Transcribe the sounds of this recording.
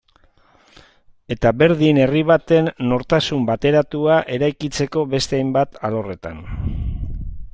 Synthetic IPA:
e̞t̪aβe̞ɾðine̞riβat̪e̞nːo̞ɾt̪asumbat̪e̞ɾat̪uaʔe̞ɾajkit͡se̞ko̞βe̞st̪eajmbat̪alo̞re̞t̪an

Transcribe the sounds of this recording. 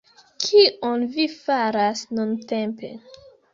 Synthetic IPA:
kʰionvifaɾasnunte̞mpe̞̰

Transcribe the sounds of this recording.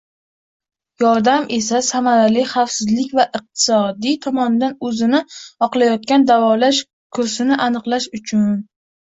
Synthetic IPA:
jɒɾd̪amʔe̞sasamaɾalɪχafsɪzlɪkʲvaʔɨq̚t̪ʰɪ̥sɒd̪it̪ʰɒmɒnɪd̪anɵzɪnɪɒqlˠajɒt̪̚kʲand̪avɒlaʃ | kʰɵɾsɪnɪʔanɨqlˠaʃʊt͡ʃʰʊn

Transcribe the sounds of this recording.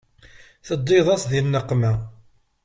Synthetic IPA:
θəd̪ˤːeðˤɑsðinːəqːmæ

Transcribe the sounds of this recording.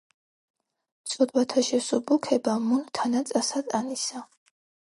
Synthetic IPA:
sʼɔd̪ʼwat̪ʰaʃɛsubukʰɛbamunt̪ʰanat͡sʼasad̪ʼanisa

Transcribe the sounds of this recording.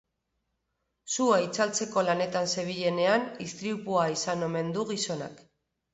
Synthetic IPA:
suajt͡salt͡se̞ko̞lane̞t̪anse̞β̞iʎe̞ne̞anist̪ɾiupuaisano̞me̞nd̪uɣiso̞na̰k

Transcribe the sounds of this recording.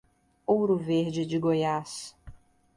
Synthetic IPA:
owɾʊveɾd͡ʒɪd͡ʒɪɡojas

